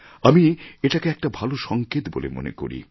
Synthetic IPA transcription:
amieʈakeɛk̚ʈabʱaloʃɔŋket̪bolḛmo̰nḛko̰ɾḭ

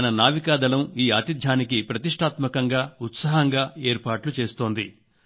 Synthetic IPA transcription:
nɐnaːʋikaːd̪ɐlɐmiːaːt̪id̪ʱjaːnikipɾɐt̪iʂʈʰaːt̪mɐkɐŋɡaːut̪sɐːɦɐŋɡaːe̞ːɾpaːʈlut͡ʃe̞ːst̪o̞ːnd̪ḭ

